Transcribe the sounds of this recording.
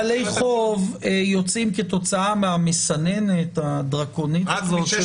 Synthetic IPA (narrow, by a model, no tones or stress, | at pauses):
lejχovejo̞t͡simket̪o̞t͡saameamesane̞net̪ad̪ʁako̞nit